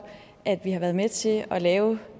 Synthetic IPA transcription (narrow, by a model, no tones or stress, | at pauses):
ʔæd̥ʋihɑʋæɐð̞̩ˠmet͡sʰe̝lɒ̽lɛːʊ